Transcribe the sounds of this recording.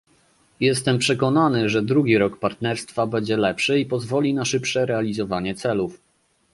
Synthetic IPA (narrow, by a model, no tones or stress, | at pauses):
jɛst̪ɛmpʂɛkɔnanɘʐɛd̪ɾuɡʲiɾɔkpaɾt̪nɛɾst̪fabɛɲd͡ʑɛlɛpʂɘipɔzvɔlʲinaʂɘpʂɛɾɛalʲizɔvaɲɛt̪sɛluf